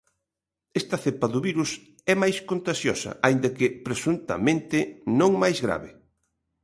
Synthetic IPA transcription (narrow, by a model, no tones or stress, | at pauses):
ɛst̪ɐθepɐðʊβiɾus | ɛmajskont̪aʃjɔsɐ̰ʔaind̪ɐkɪpɾesunt̪ɐ̰mẽnt̪ɪnõŋmajzɣɾa̰βɪ